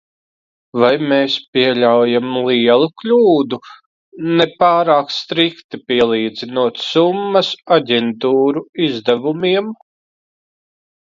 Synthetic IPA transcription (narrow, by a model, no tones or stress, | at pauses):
vajmeːspiɛʎʲawjamlˠiɛlˠuklʲuːd̪u | nɛpaːɾaːkst̪ɾikt̪ipiɛlˠiːd̪zinuɔt̪sumːɐsaɟʲɛnt̪uːɾuizd̪ɛvumiɛm